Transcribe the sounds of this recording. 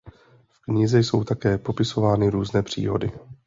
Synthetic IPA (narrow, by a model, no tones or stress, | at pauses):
fkɲɪzɛjso̞wt̪akɛːpo̞pɪso̞vaːnɪɾuːznɛːpr̝̥ḭːɦo̞̰dɪ